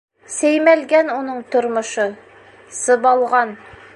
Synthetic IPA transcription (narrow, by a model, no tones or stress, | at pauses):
sæjmælɡænunɤɴt̪ŏɾmŏʃɤ | sɤ̆bɑlˠʁɑn